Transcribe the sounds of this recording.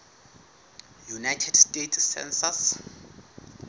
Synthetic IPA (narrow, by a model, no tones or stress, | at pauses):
junajtʰɛdstʼetʰsɛ̰nsas